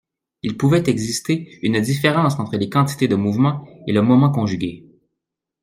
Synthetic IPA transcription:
ilpuvɛt̪ɛɡzist̪eynd̪ifeʁɑ̃ːsɑ̃ːt̪χəlekɑ̃t̪i̥t̪ed̪əmuvmɑ̃eləmɔmɑ̃kɔ̃ʒyɡʲe

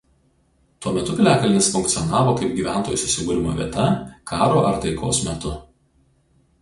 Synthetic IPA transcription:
t̪uɔmʲɛt̪ʊpʲɪlʲæːkɐlʲɪnʲɪsfʊŋʲk̚t̪ʲɔnɑːʋoːkɐɪp̚ɡʲiːʋʲænt̪oːjuːsʲʊsʲɪɡuːɾʲɪmoːʋʲiɛt̪ɐkʰɑːɾoːʔɐɾt̪ɐɪkoːsmʲɛt̪ʊ

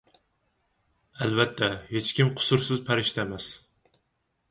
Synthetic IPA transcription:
ɛlvɛt̪ʰːɛhet͡ʃkʲimqʰʊ̥sʊɾsɨzpʰæɾɪʃt̪ʰɛmɛs

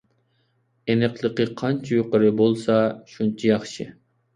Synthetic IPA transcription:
enɨqlˠɨqɨqʰɑnt͡ʃʰijoqəɾɨbolˠsɑʃunt͡ʃʰijɑχʃɨ

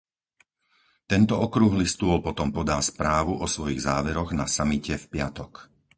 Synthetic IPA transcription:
t̪ɛnt̪ɔɔkɾuɣlist̪ʊɔlpɔt̪ɔmpɔd̪aːspɾaːʋuʔɔsʋɔjiɣzaːʋɛɾɔɣnasamicɛfpɪat̪ɔk

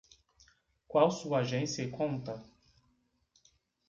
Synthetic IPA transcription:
kwawsuɐaaʒẽsiɐkõnt̪ɐ

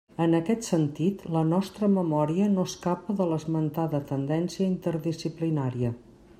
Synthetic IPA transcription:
ənəkɛt̪sənt̪it̪lənɔst̪ɾəməmɔɾiənoskapəðələzmənt̪aðət̪ənd̪ɛnsiəint̪əɾðisiplinaɾiə

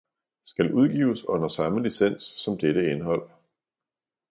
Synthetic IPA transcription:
sɡ̥ælʔuð̞ˠɡ̥ḭːʊsɔ̽n̰ɐsɑ̈məlisen̰sːɒ̽md̥eɾəe̝nɦɒ̽l̰

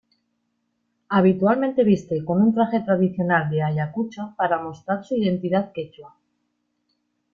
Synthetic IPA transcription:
aβ̞it̪ualment̪e̞β̞ist̪e̞ko̞nunt̪ɾaχe̞t̪ɾaðiθjo̞nald̪e̞aʎakut͡ʃapaɾamo̞st̪ɾaɾsuiðe̞nt̪iðaðke̞t͡ʃwa

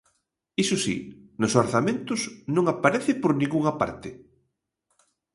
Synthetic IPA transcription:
isʊsḭnʊsoɾθamẽnt̪ʊsnõŋapaɾɛθɪpoɾnĩŋɡuŋapa̰ɾt̪ɪ

